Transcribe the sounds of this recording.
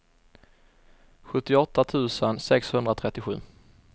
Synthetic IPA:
ɧɵt̪ːɪɔt̪ːat̪ʰʉ̟ːsənsɛkshɵnd̪ɾat̪ʰɾɛt̪ːɪɧʉ̟ː

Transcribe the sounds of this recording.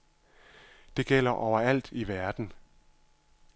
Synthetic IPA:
d̥e̝ɡ̥el̰ɐʔɒʊ̰ɐæl̰d̥iʋæɐd̥n̩

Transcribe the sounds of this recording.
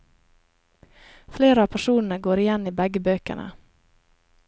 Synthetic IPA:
fleːɾəɑːpʰæʂuːnənəɡoːɾɪjɛnːiːbɛɡəbøːkə̰ɳə̰

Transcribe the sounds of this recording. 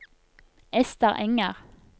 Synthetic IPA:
ɛst̪əʁɛŋəʁ

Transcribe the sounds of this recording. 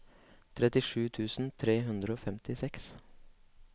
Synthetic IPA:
t̪ʰɾɛt̪ɪʂʉːt̪ʰʉːsn̩t̪ʰɾeːɦʉnd̪ɾəoːfɛmt̪ɪsɛks

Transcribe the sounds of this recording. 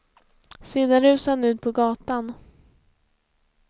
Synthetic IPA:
sɪd̪aɾʉ̟ːsanʉ̟ːt̪̚pʰɔɡɑːt̪an

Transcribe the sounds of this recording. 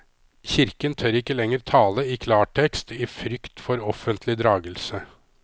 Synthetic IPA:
çɪɾkənt̪ʰœɾɪkːəlɛŋːəɾt̪ʰɑːləɪkʰlɑːʈʰɛkst̪iːfɾʏkt̪fɔɾɔfənt̪ʰlɪd̪ɾɑːɡəlsə

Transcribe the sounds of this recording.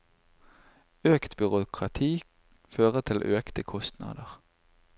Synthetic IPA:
øːkt̪bʏʁʊkʰʁɑt̪ʰiː | føːʁət̪ʰɪlʔøːkt̪əkʰɔst̪nɑ̰ːd̪əʁ

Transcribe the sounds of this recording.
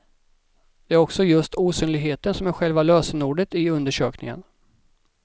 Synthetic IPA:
d̪̥ɛæɾɔksɔjɵst̪uːsyːnlɪɡɦeːt̪ənsɔmæɾɧɛlvaløːsənuːɖət̪ɪɵnd̪əʂøːknɪ̰ŋə̰n

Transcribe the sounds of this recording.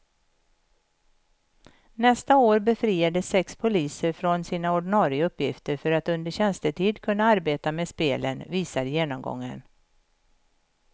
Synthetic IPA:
nɛst̪aoːɾbɛfɾiːad̪əsːɛkspʰʊliːsəɾfɾɔnsiːnaɔɖɪnɑːɾɪəɵpːjɪft̪əɾfœɾat̪ɵnd̪əɕɛnst̪əʈ̪ʰiːd̪kʰɵnːaaɾbeːt̪ameːd̪speːlə̰nviːsaɾjeːnɔmɡɔ̰ŋːə̰n

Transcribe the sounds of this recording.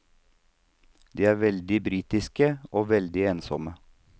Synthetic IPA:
d̪iːæːɾʋɛld̪ɪbɾiːt̪ɪskəoːʋɛld̪ɪeːnsɔ̰mə

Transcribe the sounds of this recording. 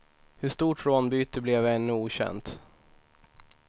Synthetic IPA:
hɵʂt̪uːʈɾoːnbyːt̪əblɛvɛnːɵuːɕɛ̰nt̪

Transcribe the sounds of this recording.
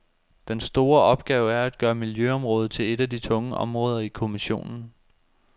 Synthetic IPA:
d̥ensd̥o̝ːɐɒ̽b̥̚ɡ̥ɛːʊæɐæd̥̚ɡ̥ɶːɐmiljøɒ̽mʁɔ̽ːð̞̩ˠt͡sʰe̝le̝d̥æd̥it͡sʰɔ̽ŋəʔɒ̽mʁɔ̽ːð̞ˠɐikʰo̝miɕo̝̰ːnn̩

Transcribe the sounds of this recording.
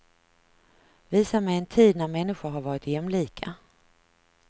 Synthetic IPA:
viːsamɛjɛnt̪ʰiːd̪næɾmɛnːɪɧʊɾɦaɾvɑːɾɪt̪jɛmːliːkʰa

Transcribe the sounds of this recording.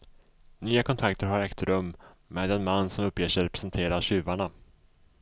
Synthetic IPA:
nyːakʰɔnt̪ʰakt̪əɾɦaɾɛkt̪ɾɵmːmeːd̪ɛnmanːsɔmɵpːjeːʂɛɾɛpɾɛ̥sɛnt̪ʰeːɾaɕʉ̟ːvaɳa

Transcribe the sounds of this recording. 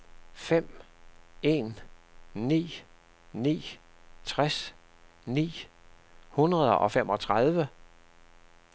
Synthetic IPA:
fem̰ | e̝̰ːn | nḭː | nḭː | t͡sʰʁas | nḭː | hunʁɐð̞ˠəʔɒ̽fem̰ʔɒ̽t͡sʰʁɑð̞ˠʋə

